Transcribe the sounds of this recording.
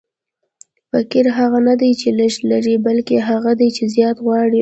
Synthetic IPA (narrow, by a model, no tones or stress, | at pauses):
fakiɾɦaɣanad̪ajt͡ʃeləʃlaɾibalkeɦaɣad̪ajt͡ʃezjɑt̪ɣwɑɽi